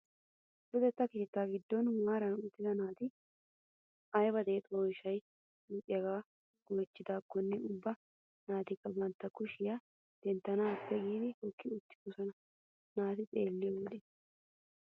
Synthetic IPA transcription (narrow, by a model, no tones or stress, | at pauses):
bʊd̪ɛt̪ːɐke̞ːt̪ːaːɡɪd̪ːɔnwaːɾɐnʊt̪ːɪzɐnaːt̪ɪ | ɐjbɐd̪eːt̪ʼoːjɪʃɐj | uːʔʼɪjɐɡaː | ɡojt͡ʃːɪd̪aːkːɔnːɛʊbːɐ | naːt̪ɪkːɐbɐnt̪ːɐkːʊʃɪjɐ | d̪̥ɛnt̪ːɐnaɐpːɛɡiːd̪ɪhokːɪʊt̪ːɪ̥kʊsɐnɐ | naːt̪ɪt͡sʼeːlːɪoᶑɛ